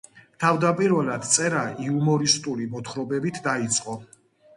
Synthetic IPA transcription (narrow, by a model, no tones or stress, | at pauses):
t̪ʰavd̪apʼiɾvɛlad̪̥t̪sʼɛɾaiumɔɾist̪ʼulimɔt̪ʰχɾɔbɛbit̪ʰd̪ait̪sʼqʼɔ